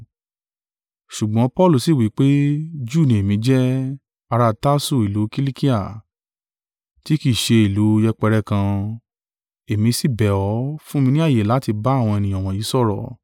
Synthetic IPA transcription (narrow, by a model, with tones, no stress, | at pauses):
ʃu˨ɡ͡bɔ̃˨˦pɔ˦˨lu˦˨si˦˨wi˨˦k͡pe˦d͡ʒuː˦˨nĩ˨e˨mĩ˨˧˦d͡ʒɛ˦ | a˧ɾa˧ta˦su˦˨i˨lu˨˦ki˦li˦ki˦a˦˨ | ti˨˦ki˦˨ʃe˧i˨lu˨˦jɛ˧k͡pɛ˧ɾɛ˧kã˧ | e˨mĩ˧si˦˨bɛ˨ɔ˨˦fũ˦mĩ˧nĩ˦a˦˨je˨la˨˦ti˧ba˦˨w̃ɔ̃˧e˧nĩ˧jɔ̃˨w̃ɔ̃˨ji˨˦sɔ˦˨ɾɔ̰˨